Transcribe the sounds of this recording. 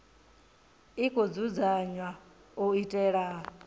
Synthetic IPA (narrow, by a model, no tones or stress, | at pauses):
ikʼʰod͡zud͡zaɲwa | uitʼɛːɺa